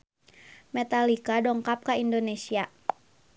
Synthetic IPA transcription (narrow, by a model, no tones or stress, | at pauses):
mɛt̪alikadɔŋkap̚kaindonesia